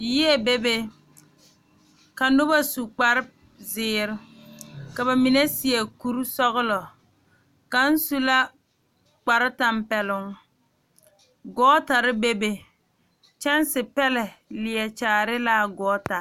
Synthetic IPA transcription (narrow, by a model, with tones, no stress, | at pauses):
ji˦ɛ˦be˦be˦ | ka˨nʊ˦ba˦su˨k͡pa˨ɾɪ˦ | zɪː˨˦˨ɾɪ˦ka˨ba˨mi˨ne˦si˨ɛ˨ku˦ɾsɔ˦ɣʊ˦lɔ˨ | ka˨n̩˦su˦la˦ | k͡pa˨ɾɪ˦ta˨mpɛ˨lʊ˨ŋ | ɡɔː˦ta˨ɾɪ˦be˦be˨ | t͡ʃɛ˦nsɪ˨pɛ˦lɛ˨lɪ˨ɛ˨t͡ʃaː˨ɾɪ˦la˦ɡɔː˦ta˨